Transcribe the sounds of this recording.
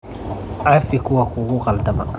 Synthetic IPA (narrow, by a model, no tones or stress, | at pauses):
afikuwakukuqalt̪ama̰